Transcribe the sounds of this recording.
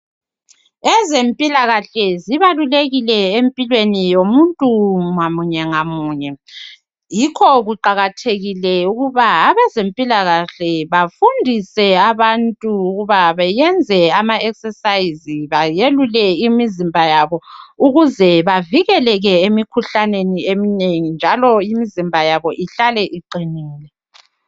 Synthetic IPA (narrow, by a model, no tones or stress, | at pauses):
ɛzempʼilaɣaɬɛziβaluleɣilɛempʼilwenijomuntʼuŋamuɲɛŋamuːɲɛ | jikʰɔɣuǃaɣatʰeɣilɛuɣuβaːβɛzempʼilaɣaɬɛβafundʱisɛaβantʼuːɣuβaβɛjɛnd͡zʱɛamaɛksɛsaiziβajelulɛimizimbʱajaβɔuɣuzɛβaviɣɛlɛɣɛemikʰuɬaneniemineŋind͡ʒʱalɔimizimbʱajaβɔʔiɬalɛʔiǃiniːlɛ